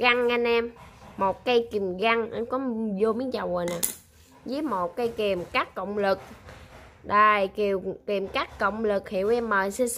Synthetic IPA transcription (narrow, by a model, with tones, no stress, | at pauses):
ɣa˧ŋʔa˧nʔɛ˧mːo˨˩t̚kə˧jki˨˩mɣa˧ŋʔə˧nkɔ˨˦zo˧mi˨˦nt͡ɕa˨˩wɣo˨˩jnaː˨˩ | zi˨˦mo˨˩t̚kə˧jki˨˩mkaː˦˥kːə̰˧˨wŋ͡mlɨ˨˩k̚ | ɗə˨˩jki˨˩əwki˨˩mkaː˦˥kːə̰˧˨wŋ͡mlɨ˨˩k̚hi˧˨wʔɛ˧mːəː˨˩jsi˧